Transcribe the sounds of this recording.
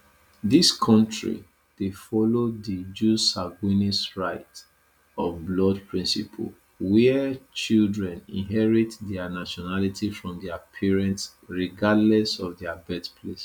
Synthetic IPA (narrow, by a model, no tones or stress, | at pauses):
diskʰɔ̃ntɹḭ | d̥efɔlodid͡ʒusaɡwinisɹaɪt | ɔvblɔdpʰɹĩnsḭpʰə̰l | wɛt͡ʃildɹɛ̃nḭ̃nɦɛɹitdɛanaʃɔnalitʰifɹɔ̃mdɛapʰɛɹɛ̃nts | ɹiɡadlɛsɔvdɛabɛtpʰles